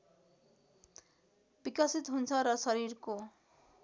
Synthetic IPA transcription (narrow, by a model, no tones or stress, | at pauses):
bikʌsit̪ɦunt͡sʰʌɾʌsʌɾirko